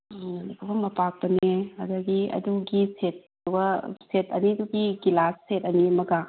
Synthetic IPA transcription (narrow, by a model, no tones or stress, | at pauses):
dukʰɐbɐmɐpak̚pɐnehɐ̰dɐɡiɐ̰duɡiset̚ | dubɐsetɐ̰niduɡiɡilasːetɐniɐmɐɡɐ